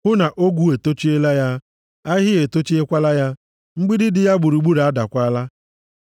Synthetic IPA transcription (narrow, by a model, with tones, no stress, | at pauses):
hʊ˦na˨ʔo˦ɡʷu˦e˨to˦t͡ʃi˦e˦la˦ja˦ | a˦ɦɪ˦e˨to˦t͡ʃi˦e˦kʷa˦la˦ja˦ | ŋ͡m̩˦ɡ͡bi˦dɪ˦dɪ˨ja˦ɡ͡bʊ˨ɾu˨ɡ͡bu˦ɾa˦da˨kʷa˦la˦